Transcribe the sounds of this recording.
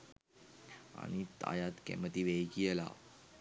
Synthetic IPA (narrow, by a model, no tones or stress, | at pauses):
a̰ɽ̃it̪a̰jat̪kɛ̰mət̪iʋejɡijəla̰